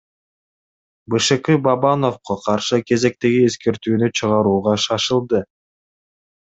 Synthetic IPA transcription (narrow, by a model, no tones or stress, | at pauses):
bɯʃɯkɯbabano̞fqɑqʰɑɾʃɯkʰe̞ze̞k̚t̪e̞ɡie̞ske̞ɾt̪yːnyt͡ʃʰɯʁɑɾuːʁɑʃɑʃɯlˠd̪ɯ